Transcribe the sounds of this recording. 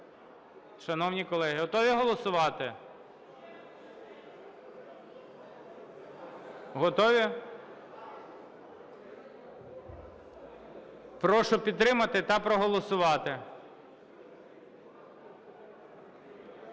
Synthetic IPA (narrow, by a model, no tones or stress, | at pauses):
ʃɐnɔwnʲikɔlˠɛɦɪɦɔt̪ɔʋʲiɦɔlˠɔsʊʋɑt̪ɪ | ɦɔt̪ɔʋʲi | pɾɔʃɔpʲid̪t̪ːɾɪmɐt̪ɪt̪ɐpɾɔɦɔlˠɔsʊʋɑt̪ɪ